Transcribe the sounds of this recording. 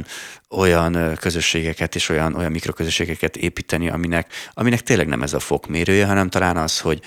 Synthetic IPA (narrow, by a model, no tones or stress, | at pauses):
no̞jɒnkø̞zøʃːeːɡɛkɛt̪eːʃo̞jɒnʔo̞jɒmːikro̞køzøʃːeːɡɛkɛt̪ḛːpiːt̪ɛniʔɒ̰minɛkɒminɛk̚t̪eːnlɛɡnɛ̰mɛzɒfo̞kmeːɾøːjɛɦɒnɛmt̪ɒlaːnɒsho̞ɟ